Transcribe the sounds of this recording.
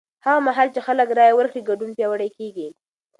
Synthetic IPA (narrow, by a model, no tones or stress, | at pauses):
haɣamaɦalt͡ʃexaləkɾɑjawəɾkɽiɡaɖunpjɑwəɽajkeɡi